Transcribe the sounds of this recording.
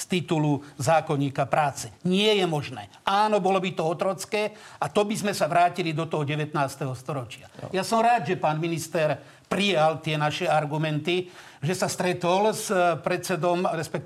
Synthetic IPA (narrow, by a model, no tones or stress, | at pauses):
st̪it̪uluzaːkɔɲiːkapɾaːt͡sɛɲɪɛjɛmɔʒnɛ̰ːʔaːnɔbɔlɔbit̪ɔɔt̪ɾɔt͡skɛːat̪ɔbizmɛsaʋɾaːcilid̪ɔt̪ɔɦɔɟɛʋɛt̪naːst̪ɛɦɔst̪ɔɾɔt͡ʃɪajasɔmɾaːd̪ʒɛpaːnminist̪ɛɾ | pɾijalt̪ɪɛnaʃɛaɾɡumɛnt̪i | ʒɛsast̪ɾɛt̪ɔlspɾɛt͡sɛd̪ɔmɾɛspɛk̚